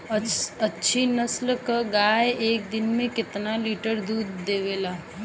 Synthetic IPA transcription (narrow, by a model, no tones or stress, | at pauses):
ɐtːʃʰinəslkəɡaːeeːk̚d̪ɪnmẽkɪt̪naliːʈəɾd̪uːd̪ːeːʋeːlaː